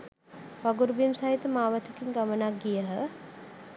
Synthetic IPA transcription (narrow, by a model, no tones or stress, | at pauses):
ʋaɡuɾbimsaɦit̪əmaːʋət̪ʰəkiŋɡamənakɡijəɦə